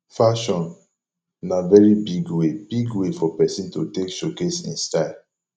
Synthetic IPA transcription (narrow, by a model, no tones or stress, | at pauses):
faʃɔ̃n | navɛɹibiɡwebiɡwefɔpɛsĩntotekʃokesḭ̃nstaɪl